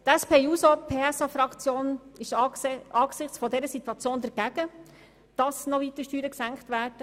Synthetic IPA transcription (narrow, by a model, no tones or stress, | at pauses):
t̪ɛspeːuːsopʰeːɛsɑfɾɑkt͡sjoːnɪʃɑːɡ̥sɪχt͡sfɔdɛɾəsit̪wɑt͡sjoːndɛɾɡ̥æɡ̥ə | d̥ɑsnɔʋiːt̪əʃtyːɾəksæŋkχtʋæːɾd̥ə